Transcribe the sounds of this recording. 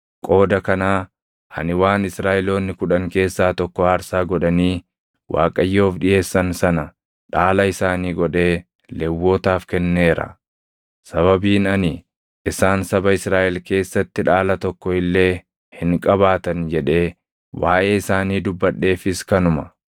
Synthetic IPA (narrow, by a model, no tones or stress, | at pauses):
kʼo̞ːd̪ɐkɐnaː | hɐ̰nɪwaːnɪsɾaːʔɪlo̞ːnːɪkʊᶑɐŋke̞ːsːaːt̪ɔkːɔhɐɾsaːɡɔᶑɐniː | wʔa̰ːkʼɐjːo̞ːfᶑɪʔe̞ːsːɐnsɐnɐ | ᶑaːlɐɪsaːniːɡɔᶑe̞ː | lɛwːo̞ːt̪aːfkɛnːe̞ːɾɐ̰ | sɐβɐbiːnɐniː | ʔɪsaːnsɐbɐɪsɾaːʔɛlke̞ːsːɐt̪ːɪᶑaːlɐt̪ɔkːɔɪlːe̞ː | hɪŋkʼɐbaːt̪ɐnd͡ʒɛᶑe̞ː | waːʔe̞ːɪsaːniːd̪ʊbːɐɗːe̞ːfɪskɐnʊmɐ